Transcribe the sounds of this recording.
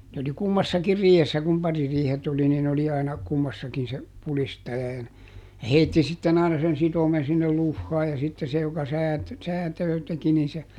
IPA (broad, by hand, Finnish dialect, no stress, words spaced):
nĕ oli kumːɑsːɑkir riːhesːæ kum pɑririːhet oli nin oli ɑinɑ kumːɑsːɑkin se pulistɑjɑ jɑ n jɑ heitːi sitːen ɑinɑ sen sitomen̞ sinːel luhːɑː jɑ sitːe se jokɑ sæːt sæːtøː teki nin se